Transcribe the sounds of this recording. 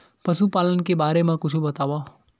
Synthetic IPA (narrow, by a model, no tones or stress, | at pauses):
pəʃupaːlənkebaːɾemãkʊt͡ʃʰubət̪aːʋa